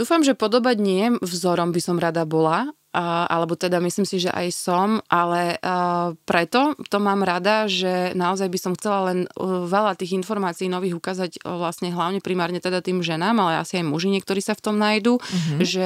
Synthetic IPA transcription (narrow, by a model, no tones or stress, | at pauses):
d̪uːfamʒɛpɔd̪ɔbaɟɲɪɛvzɔɾɔmbisɔmɾad̪abɔla | a̰lɛbɔt̪ɛd̪amisliːmsiʒɛ̰ʔa̰jsɔmʔalɛ | pɾɛt̪ɔt̪ɔmaːmɾad̪aʒɛnaɔzajbisɔmxt͡sɛlalɛnʋɛlat̪iːɣinfɔɾmaːt͡siiːnɔʋiːɣukaːzaɟʋlasɲɛɦlaʊɲɛpɾimaːɾɲɛt̪ɛd̪at̪iːmʒɛnaːmalɛa̰siajmuʒiɲɪɛkt̪ɔɾiːsaft̪ɔmnajd̪uʒɛ